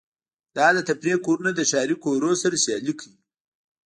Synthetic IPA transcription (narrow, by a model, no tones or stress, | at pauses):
d̪̥ɑd̪ət̪apɾekoɾunad̪əʃɑɾikoɾosaɾasjɑlikʰi